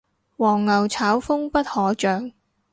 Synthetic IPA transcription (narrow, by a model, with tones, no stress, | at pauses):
wɔː˨˩ŋːɐ˨˩wt͡sʰaː˨˥wfʊ˥ŋpɐ˥t̚hɔː˨˥t͡ʃœː˨ŋ